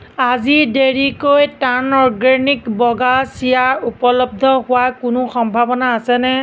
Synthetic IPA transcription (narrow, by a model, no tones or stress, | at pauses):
azideɹikojtanɔɹɡanikbɔɡasijaupɔlɔb̚dʱɔhʊwakʊnʊxɔmbʱabɔnaːsɛnɛ